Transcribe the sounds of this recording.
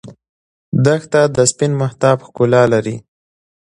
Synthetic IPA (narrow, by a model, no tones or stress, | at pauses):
d̪əxt̪ad̪əspɪnmaht̪ɑbxkʊlɑlaɾi